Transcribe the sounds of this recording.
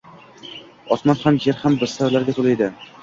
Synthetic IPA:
ɒsmanhamjeɾhambɪst̪aɾlaɾɡʲat̪ʰolˠajd̪ɪ

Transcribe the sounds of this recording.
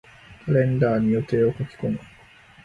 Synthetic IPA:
kʰaɾẽ̞nd̪aːɲijo̞t̪e̞ːokokʲi̥koŋo

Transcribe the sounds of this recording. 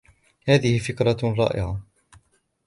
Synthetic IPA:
haːðɪhɪfɪkɾˤɑɾˤɑ̰ːʔɪ̰ʕa

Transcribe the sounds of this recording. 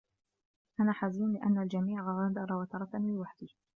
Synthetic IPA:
ʔanaːħaziːnlɪʔanːald͡ʒamiːʕɣɑɾˤɑd̪ɑɾˤɑwat̪ɑɾˤɑt̪anmɪnwaħd̪ɪ

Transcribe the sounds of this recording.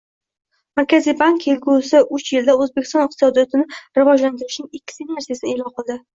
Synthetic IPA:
maɾkʲazijbaŋkelɡʲusɪʔʊt͡ʃjɪld̪aɵzbekʲɪ̥st̪ɒnɪq̚t̪ɪ̥sɒd̪ijɒt̪ʰɪnɪɾɪvɒd͡ʒlant̪ɪɾɪʃnɪŋɪkʲːɪ̥sinaɾsijasɪnelɒnqɨlˠd̪ɪ

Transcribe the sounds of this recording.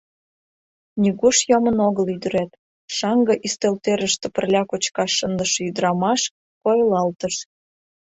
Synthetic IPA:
nʲyɣuʃjomənoɣəlyd̪əɾæt̪ | ʃɑŋɡɤ̆ʔist̪elt̪eɾəʃt̪ĕpə̆rlʲɑkot͡ɕkɑʃːənd̪əʃɤ̆yd̪ɾɑmɑʃ | kojlɑlt̪əʃ

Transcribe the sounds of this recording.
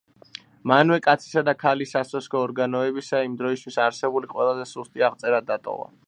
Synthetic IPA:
manwɛkʼat̪sʰi̥sad̪akʰalisasɔskʰɔːɾɡanɔɛbisaimd̪ɾɔist̪ʰwisaɾsɛbuliqʼwɛlˠazɛsust̪ʼiaʁt̪sʼɛɾad̪ːat̪ʼɔ̰va̰

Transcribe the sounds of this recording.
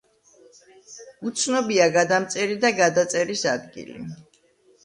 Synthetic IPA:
ut̪sʰnɔbiaɡad̪amt̪sʼɛɾid̪aɡad̪at̪sʼɛɾisad̪ɡḭlḭ

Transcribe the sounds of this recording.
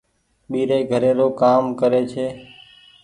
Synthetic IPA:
ɓiːɾeːɡʱəɾeːɾoːkaːmkəɾeːt͡ʃʰeː

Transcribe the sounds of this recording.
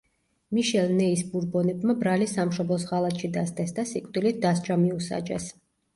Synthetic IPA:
miʃɛlˠnɛisbuɾbɔnɛbmabɾalisamʃɔblɔs̬ʁalˠat̪ʃid̪ast̪ʼɛsd̪asikʼd̪ilit̪̚d̪as̬d͡ʒamiusa̰d͡ʒɛ̰s

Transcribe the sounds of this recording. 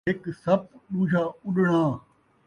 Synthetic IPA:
ɪksɐp̚ɗuːd͡ʒaːʊɗɽ̃ãː

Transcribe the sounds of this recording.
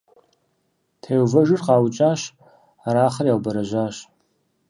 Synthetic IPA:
tʰeːwvɐʒɨrqɑːwt͡ʃʼaːɕ | aɾaːχərjaːwbɐɾɐʒʷaːɕ

